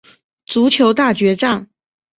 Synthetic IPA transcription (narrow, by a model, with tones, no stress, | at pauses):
t͡su˧˥t͡ɕʰjo˧˥ʊt̪a˥˩t͡ɕɥɛ˧˥ʈ͡ʂa˥˩ŋ